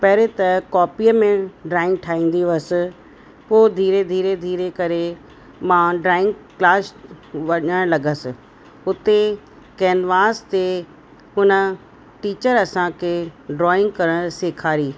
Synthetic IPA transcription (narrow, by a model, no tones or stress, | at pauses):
pɐɦɾet̪ɐkɔːpiəmẽɖɾaːɪ̃ŋɡ̚ʈʰaːĩːn̆d̪iʋəsɪ̆ | poːd̪ʱiːɾed̪ʱiːɾed̪ʱiːɾekɐɾe | mãɖɾaːɪ̃ŋɡklaːsʋɐɲəɽ̃lɐɡəsɪ̆ | ʊt̪e | kɛːnʋaːst̪e | ʊnə | ʈiːt͡ɕəɾɐsãkʰeːɖɾɔːɪ̃ŋɡ̚kɐɾəɽ̃seːkʰaːɾiː